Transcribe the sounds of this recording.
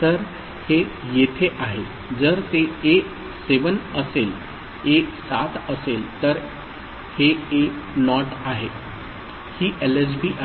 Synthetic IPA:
t̪əɾ | hejet̪ʰeʔaɦe | d͡zəɾt̪eː | seʋənəsel | eksat̪əselt̪əɾ | heenɔʈaɦe | hiːʔeles̬biːʔa

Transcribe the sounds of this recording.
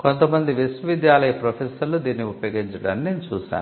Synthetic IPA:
ko̞nt̪ɐmɐnd̪iʋisʋɐʋid̪jaːlɐjɐpɾɐpʰɛːsɐɾlud̪iːniuppɐjoːɡiɲt͡ʃɐɽɐnːeːmit͡ʃuːʃa̰ːn

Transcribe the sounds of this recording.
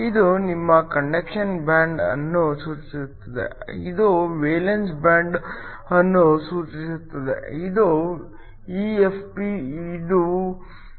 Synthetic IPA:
id̪unimːɐkɐɳɖekʂɐnbaːɳɖɐ̰nːusuːt͡ʃisut̪ːɐd̪ḛid̪uʋeːlensbaːɳɖ | ɐnːusuːt͡ʃisut̪ːɐd̪ḛid̪u | iːepʰpiid̪u

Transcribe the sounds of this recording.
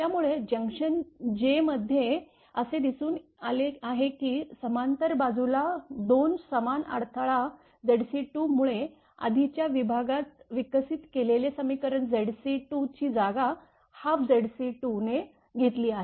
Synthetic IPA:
t̪jamuɭed͡ʑə̃ŋkʂənd͡ʑeməd̪ʱːje | əsed̪isuːnaleaɦekiːsəmant̪əɾbad͡zulad̪onsəmana̰ɽt̪ʰaɭa | d͡zeɽsiʈumuɭe | a̰d̪ʱit͡ɕjaʋibʱaɡat̪ʋikəsit̪kelelesəmikəɾəɳd͡zeɽsiʈut͡ɕiːd͡zaɡa | hafd͡zeɽsiʈune | ɡʱet̪liːaɦe

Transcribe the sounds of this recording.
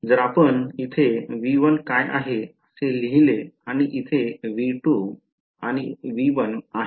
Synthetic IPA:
d͡zəɾapənit̪ʰeʋiʋənkajʔa̰ɦeəseliɦileaɽ̃iʔit̪ʰeʋiʈu | añiʋiʋənaɦ

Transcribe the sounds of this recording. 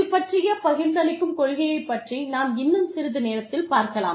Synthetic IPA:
ɪpːɐʈrɪjɐpɐɣɪɾd̪ɐlɪkːɯmkɔɻɣɐjɐɪpːɐʈrinaːmɪnːɯmsɪɾɯðɯneːɾɐt̪ːɪlpaːɾkɐla̰ː

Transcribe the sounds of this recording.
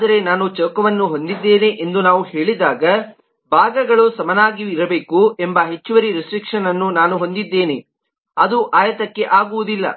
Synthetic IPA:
ad̪ɐɾe̞naːnut͡ʃɐːkɐʋɐnːuɦo̞nd̪id̪ːe̞ːneʔend̪unaːʋuhe̞ːɭid̪aːɡɐ | bʱaːɡɐɡɐɭusɐmɐnaːɡiʋiɾɐbe̞ːkue̞mbɐɦe̞t͡ʃːuʋɐɾiɾisʈɾikʂɐnɐnːunaːnuɦo̞nd̪id̪ːe̞ːne | ɐd̪uʔaːjɐt̪ɐkːe̞ʔaːɡuʋud̪ilːɐ̰

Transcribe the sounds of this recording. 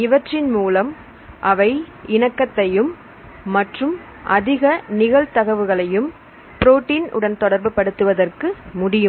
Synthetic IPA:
ɪʋɐʈrɪnmuːlɐm | ʔɐʋɐɪ | ɪɳɐkːɐt̪ːɐjɯmː | ɐʈrɯm | ʔɐðɪɣɐnɪɣɐɭt̪ɐɣɐʋɯɣɐɭɐjɯm | pɪɾoːʈːiːnʔʊ̰ɽɐnt̪ɔɽɐɾbɯpɐɽɯt̪ːɯʋɐðɐrkɯmʊɽɪjɯm

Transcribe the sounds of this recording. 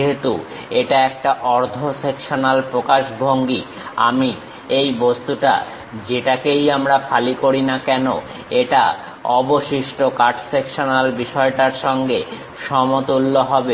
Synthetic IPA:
ɦet̪u | eʈaɛk̚ʈaʔɔɾd̪ʱʰosekʃonalpɾokaʃbʱoŋɡi | a̰mi | ejbost̪uʈa̰ | d͡ʑeʈakejamɾafʰalikoɾinakɛno | eʈa | ɔboʃiʃʈokaʈʰsekʃonalbiʃɔeʈaɾʃɔŋɡe | ʃɔmot̪ulːoɦɔbe

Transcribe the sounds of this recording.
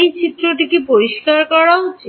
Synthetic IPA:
ejt͡ʃʰit̪ɾoʈikipoɾiskaɾkɔɽaot͡ʃʰi

